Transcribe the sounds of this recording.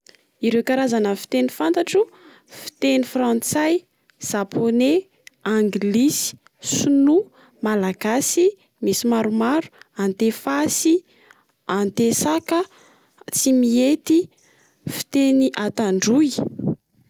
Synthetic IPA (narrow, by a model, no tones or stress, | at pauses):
iɾewkaɾazanəfi̥t̪enifant̪aʈ͡ʂu | fi̥t̪enifɾant͡saj | z̥apʰone | aŋɡilisi̥ | sunu | malaɡasi | misimaɾumaɾuant̪efasi | ant̪esakə | t͡simiet̪i | fi̥t̪eniʔat̪aɳɖ͡ʐuj